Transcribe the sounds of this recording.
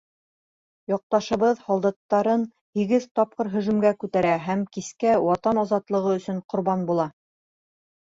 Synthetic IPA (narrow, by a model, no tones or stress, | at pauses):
jɑq̚t̪ɑʃɤ̆βɤðhɑlˠd̪ɑt̪ːɑɾɤn | hiɡɘðt̪ɒp̚qɤɾɦɵ̆ʒɵ̆mɡækʉt̪æɾæɦæmkiskæwɑt̪ɑnɑzɑt̪lˠɤ̆ʁɤɵ̆sɵɴqŏɾβɑnbulˠɑ